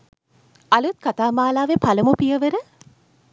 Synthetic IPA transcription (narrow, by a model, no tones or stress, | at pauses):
ɐlut̪̚kat̪aːmaːlaːʋepʰɐləmupijəʋəɾə